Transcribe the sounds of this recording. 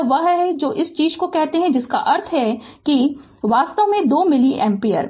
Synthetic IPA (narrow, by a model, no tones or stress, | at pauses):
ʋɐɦɦɛd͡ʒoːʔɪst͡ʃiːd͡ʒkokɛɦt̪eɦɛ̃d͡ʒɪska̰ʔɐɾt̪ʰɦɛki | ʋaːst̪əʋmẽd̪oːmɪliʔɛ̃ːmpiːə̰ɾ